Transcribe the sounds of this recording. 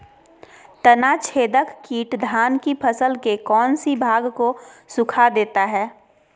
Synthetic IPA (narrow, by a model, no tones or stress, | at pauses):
t̪ənat͡ʃʰeːd̪əkːiːʈd̪ʱaːnkipʰəsəlkekɔːnsibʱaːɡkosʊkʰad̪eːt̪aɦɛː